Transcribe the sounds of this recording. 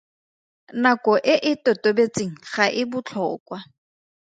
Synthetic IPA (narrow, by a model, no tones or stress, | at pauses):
nakʼɔʔɪʔɪtotobet͡sʼeŋ̩χaʔɪbʊt͡ɬʰɔːkwa